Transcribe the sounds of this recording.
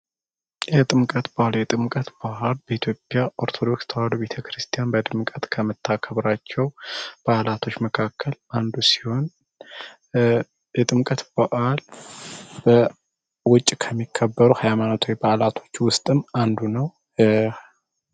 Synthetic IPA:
jɛt̪ʼɨmkʼət̪bahaljɛt̪ʼɨmkʼət̪bahalbəit̪ʰjo̞pʼːjaʔo̞ɾt̪ʰo̞d̪o̞kst̪ʰəwalube̞t̪ʰəkʰɾɨst̪ʰijanbəd̪ɨmkʼət̪kʰəmɨt̪ʰːakʰəβɾat͡ʃːɛwb̥alat̪ʰo̞t͡ʃːməkʰakʰːəland̪usi̥ho̞n | jɛt̪ʼɨmkʼət̪b̥aʔal | b̥ə | wʊt͡ʃʼːkʰəmːikʰːəbːəɾuhajmanot̪ʰuwjbalat̪ʰo̞t͡ʃːwʊst̪ʼɨmand̪unəw

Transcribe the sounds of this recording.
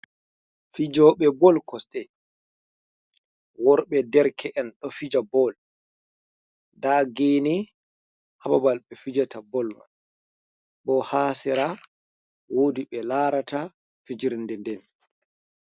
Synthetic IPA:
fid͡ʒɔɓɛbɔlkɔsɗɛ | wɔɾɓɛdɛɾkʰɛʔɛnɗɔfid͡ʒabɔl | daɡeːni | hababalɓɛfid͡ʒatabɔlma̰n | ɓɔhaːsɛɾa | woːdiɓɛlaːɾata | fid͡ʒiɾndɛndɛn

